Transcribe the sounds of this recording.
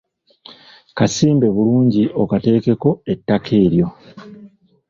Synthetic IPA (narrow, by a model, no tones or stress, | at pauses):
kasiːmbe̞βuluːɲɟiʔo̞kate̞ːke̞ko̞e̞tːakʰe̞ːɾjo̞